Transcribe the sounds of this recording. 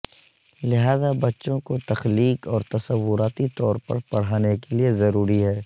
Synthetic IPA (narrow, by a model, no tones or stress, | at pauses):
lɪɦaːzabɐtːʃõkot̪ɐxliːkɔːɾt̪ɐsɐwʋːʊɾaːt̪it̪ɔːɾpɐ̰ɾpɐɽ̤aːnekeliezɐɾuːɾiɦɛː